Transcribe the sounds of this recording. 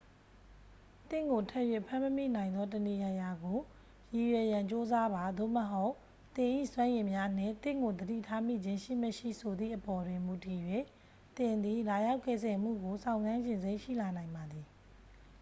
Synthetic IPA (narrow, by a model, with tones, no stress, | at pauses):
t̪ɪ̰̃˦˨ŋɡo˨tʰɛ˦ʔjwe˦˨pʰã˦˨məmḭ˦˨nã˨ɪ̃nd̪ɔ˦t̬əni˨ja˨ja˨ɡo˨ | ji˨jwɛ˨jã˨ɲt͡ɕo˦za˦ba˨d̪o˦˨məɦo˦ʊʔ | t̪ɪ̃˨ʔḭ˦˨swã˦jɪ̃˨mja˦n̥ɪ̰̃˦˨t̪ɪ̰̃˦˨ŋɡo˨d̪əɾḭ˦˨tʰa˦m̥ḭ˦˨d͡ʑɪ̃˦ʃḭ˦˨məʃḭ˦˨sʰo˨d̪ðḭ˦˨ʔəpɔ˨dwɪ̃˨mu˨ti˨jwe˦˨ | t̪ɪ̃˨nd̪i˨la˨ja˦ʊkɛ̰˦˨zɛ˨m̥ṵ˦˨ɡo˨sʰã˨ʊ̃nzã˦nʃɪ̃˨nze˦ɪʔʃḭ˦˨la˨nã˨ɪ̃mba˨d̪ði˨